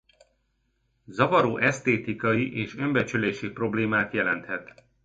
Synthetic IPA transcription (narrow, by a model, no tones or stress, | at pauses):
zɒvɒɾoːʔɛst̪eːt̪ikɒjiʔeːʃø̞mbɛt͡ʃyleːʃipro̞bleːmaːt̪jɛlɛnt̪hɛt̪